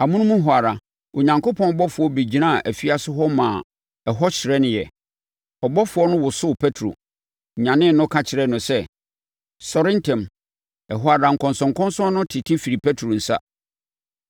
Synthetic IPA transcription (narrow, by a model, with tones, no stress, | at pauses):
a˨mũ˦nũ˦mũ˦ɦʊ˨a˨ɾa˨ | o˨ɲã˨ŋko˦pʰɔ̃˦n˦bɔ˦fʊ˨ɔ˦be˨d͡ʑi˨nã˦˨ʔæ˨fi˦a˦sʊ˦ɦɔ˦mã˨ | ɛ˨ɦɔ˦ɕɪ˨ɾɛ˦nɪ̃˨jɛ˨ | ɔ˨bɔ˦fʊ˨˦ɔ˦nʊ̃˦wʊ˨sʊ˦pʰɛ˦tʰɾo̰˨ | ɲã˨nɪ̃˦nʊ̃˦kʰa˦t͡ɕʰɪ˨ɾɛ˦nʊ̃˨sɛ˦ | sɔ˨ɾɪ̃˦ntʰɛ̃˨m | ɛ˨ɦʊ˨a˨ɾa˨ŋ̩˨kʰɔ̃˨nsɔ̃˨ŋ˨kʰɔ̃˦nsɔ̃˦nʊ̃˦tʰɪ˨tʰĩ˦fi˨ɾi˨pʰɛ˦tʰɾo˨n̩˨sa̰˦